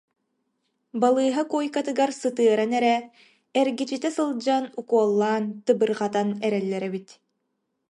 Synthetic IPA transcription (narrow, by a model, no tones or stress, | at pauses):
balˠɯːɦakujkat̪ɯɡaɾsɯt̪ɯɐɾanɛɾɛ | ɛɾɡit͡ɕit̪ɛsɯlˠd͡ʑanukuɔlˠːaːnt̪ɯbɯɾʁat̪anɛɾɛlːɛɾɛbit̪